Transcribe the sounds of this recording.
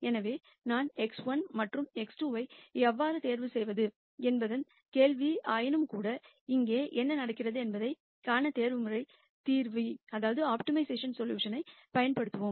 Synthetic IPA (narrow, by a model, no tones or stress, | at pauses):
ɛnɐʋeː | naːnɛksʋɐnmɐʈrɯmɛksʈuːʋɐɪɛʋːaːɾɯt̪eːɾʋɯsɛjʋɐðɯ | ɛnbɐðɐn | keːlʋiʔaːjɪnɯmkuːɽɐ | ɪŋɡeːʔɛnːɐnɐɽɐkːɪrɐðɯɛnbɐðɐɪ | kaːnɐt̪eːɾʋɯmɯrɐɪ | t̪iːɾʋiɐðaːʋɐðɯaːpʈɪmɐɪseːʂɐnsɔljṵːʂɐnɐɪpɐjɐnpɐɽɯt̪ːɯʋoːm